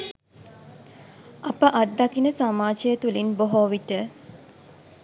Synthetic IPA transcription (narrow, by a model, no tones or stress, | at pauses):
ʔapəʔad̪ːakinəsamaːt͡ʃejət̪ulinboɦoːʋiʈə